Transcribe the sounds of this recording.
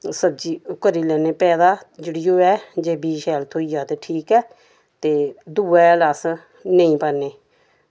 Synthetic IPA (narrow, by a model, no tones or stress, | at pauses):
səbd͡ʒiːʊkəɾiːlɛːneːpɛːd̪aːd͡ʒɪɽijoːɛːd͡ʒeːbiːʃɛːlt̪ʰoːiːjaːt̪eːʈʰiːkɛː | t̪eːd̪uːɛlaːs | nəĩːpəːneː